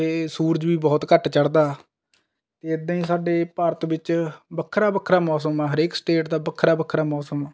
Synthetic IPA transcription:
eːsuːɾəd͡ʒʋiːbɔːt̪kəʈt͡ʃəɽd̪aː | t̪eːɪd̪ãːĩːsaːɖeːpaːɾət̪bɪt͡ʃbəkʰːɾaːbəkʰɾaːmɔːs̬əmɛːɦəɾeːksʈeːʈd̪aːbəkʰːɾaːbəkʰɾaːmɔːsəmɛː

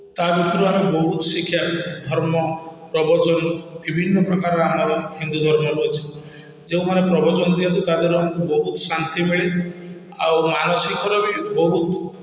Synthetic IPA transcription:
t̪abit̪ʰɔɾuamibɔɦut̪ɔsikʰːjad̪ʱɔɾmɔpɾɔbɔd͡ʒɔnbibʱinːɔpɾɔkaɾɔamɽ̃abɔhind̪ud̪ʱɔɾmɔɾuɔt͡ʃʰi̥ | d͡ʒeũmanepɾɔbɔd͡ʒɔnd̪iɔnt̪ut̪ad̪eɾuaŋkubɔɦut̪sant̪imeɭi | a̰wmanɔsikɔɾɔbibɔɦut̪

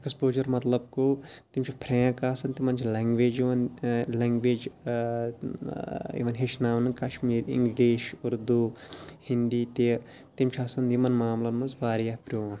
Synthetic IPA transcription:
ekspoːd͡ʒɐɾmɐt̪lɐb̚kot̪imt͡ʃʰipʰɾẽːkaːsɐnt̪imɐnt͡ʃʰilʲeŋɡʋeːd͡ʒiʋɐnleŋɡʋeːd͡ʒ | ḭʋɐnɦeʃnaːʋnɨkɐʃmiːɾḭ̃ŋɡliːʃuɾd̪uhind̪iːt̪e | t̪imt͡ʃʰaːsɐnd̪imɐnmaːmlɐnmɐzbaːɾjapɾoːɐn

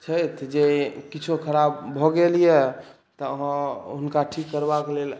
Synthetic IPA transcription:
t͡ʃʰəjt̪ʰd͡ʒekit͡ʃʰokʰəɾabːʱɔɡelijɛ | t̪ɔəɦə̃ɦunkaʈʰikːəɾbakelel

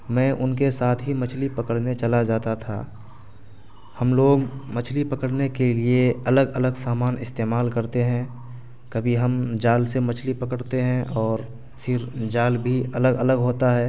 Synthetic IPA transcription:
mɛ̃ːʔʊnkesaːt̪ʰɦimɐt͡ʃʰlipɐkəɽnet͡ʃɐlad͡ʒaːt̪at̪ʰa̰ː | hɐmloːɡmɐt͡ʃʰlipɐkəɽnekelieɐləɡələɡsaːmaːnɪst̪eːmaːlkəɾt̪eɦɛ̃ | kɐbʱiɦəmd͡ʒaːlsemɐt͡ʃʰlipɐkəɽt̪eɦɛ̃ʔɔːɾ | fʰɪɾd͡ʒaːlbʱiɐləɡələɡɦoːt̪aɦɛː

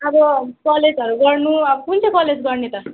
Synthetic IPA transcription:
ʌbʌkʌled͡zʌɾuɡʌrnuʌbʌkunt͡sʰʌkʌled͡zɡʌrnet̪ʌ

